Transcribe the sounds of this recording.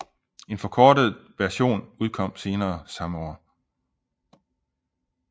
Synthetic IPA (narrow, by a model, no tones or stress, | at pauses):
e̝nfɒ̽kʰɒːd̥əð̩ˠʋæɐɕo̝̰ːnuð̞ˠkʰɒ̽m̰se̝ːnɐːsɑ̈məɒ̰ː